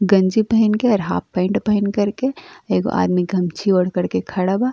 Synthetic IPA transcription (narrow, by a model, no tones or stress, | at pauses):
ɡɐ̃nd͡ʒibəɦinkeɐɾɦa̰ːpːɐ̃ɪɳʈbəɦinkɐɾkeeːɡo̰ʔa̰ːd̪miɡʱɐmt͡ʃʰioɽ̤kəɽkekʰɐɽaba